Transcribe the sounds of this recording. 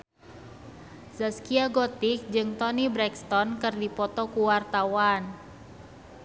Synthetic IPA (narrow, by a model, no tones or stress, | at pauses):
saskiaɡɔt̪ik̚d͡ʒɨŋt̪ɔnibɾɛkst̪ɔnkɨrdipɔt̪ɔkuwart̪awan